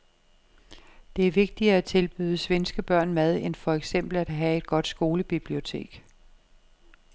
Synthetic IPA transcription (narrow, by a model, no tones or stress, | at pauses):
d̥e̝æɐʋe̝ɡ̥̚d̥iɐːæt͡sʰe̝lb̥yːðˠəsʋensɡ̥əb̥ɶɐ̰nmæð̞ˠenfɒ̽eɡ̥sem̰b̥l̩æd̥ɦɛe̝d̥̚ɡ̥ɒ̽d̥sɡ̥o̝ːləb̥ib̥lio̝t͡sʰe̝̰ːɡ̥